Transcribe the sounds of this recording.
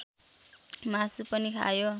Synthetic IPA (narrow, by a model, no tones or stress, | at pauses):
masupʌnikʰa̰jo